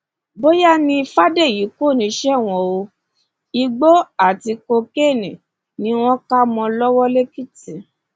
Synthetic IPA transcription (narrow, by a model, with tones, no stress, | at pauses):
bo˦ja˦nĩ˧fa˦de˦˨ji˨˦ko˦˨nĩ˨˦ʃɛ˦˨w̃ɔ̃˧˨o˧ | i˧ɡ͡bo˦a˦˨ti˧ko˧ke˦˨nĩ˨ | nĩ˦w̃ɔ̃˦ka˦mɔ̃˧lɔ˦wɔ˦le˦ki˦ti˨